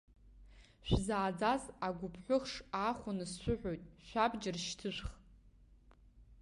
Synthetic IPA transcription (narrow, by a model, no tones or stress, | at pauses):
ʃᶣʷzaːd͡zazaɡʷʊpʰħʷʊχʂaχʷʊnɨsːʷʊħʷᶣojtʼʃᶣʷabd͡ʒɪrʃtʰɨʃʷχ